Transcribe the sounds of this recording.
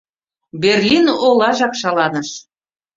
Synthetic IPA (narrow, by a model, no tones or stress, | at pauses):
berlʲinolˠɑʒɑkʃɑlɑnɤ̆ʃ